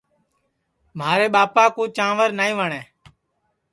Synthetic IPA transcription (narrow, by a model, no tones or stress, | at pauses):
m̤aːɾeːɓaːpaːkuːt͡ʃãːʋəɾnaːĩːʋəɳẽː